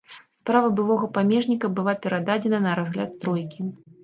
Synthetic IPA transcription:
spɾavɐbɨvˠɔɣɐpamʲɛʐnʲikɐbɨlˠapʲɛɾad̪ad͡zʲɛnɐnɐɾazɣlʲa̰t̪ːɾɔjkʲi

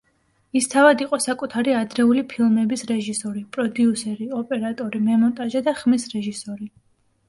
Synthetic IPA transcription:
ist̪ʰavad̪iqʼɔsakʼut̪ʰaɾiad̪ɾɛulipʰilˠmɛbisɾɛʒisɔɾipʼɾɔd̪iusɛɾiɔpʼɛɾat̪ʼɔɾimɛmɔnt̪ʼaʒad̪aχmisɾɛʒisɔɾi

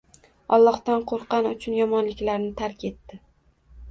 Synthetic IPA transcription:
ɒlˠːɒhd̪anqʰoɾqɑnʊt͡ʃʰʊnjɒmɒnlɪkʲlaɾnɪt̪ʰaɾkʲʰe̞t̪ːɪ

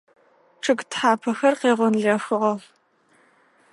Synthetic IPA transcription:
ʈ͡ʂʰʼɨɡtħaːpʰɐxɐrqeːʁʷɔnɮɐxɨʁɐ

